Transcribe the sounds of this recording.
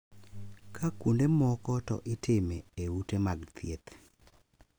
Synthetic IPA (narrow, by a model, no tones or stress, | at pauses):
kʰakundemɔkɔtɔ̰ʔɪtʰɪmeeutemaɡt̪ʰjet̪